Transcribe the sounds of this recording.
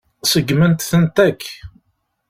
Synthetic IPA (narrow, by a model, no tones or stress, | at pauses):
səɡmənt̪θənt̪ækː